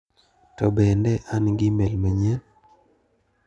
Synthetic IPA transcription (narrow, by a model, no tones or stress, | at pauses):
tɔbɛndɛʔanɡɪmɛlmɛɲɛn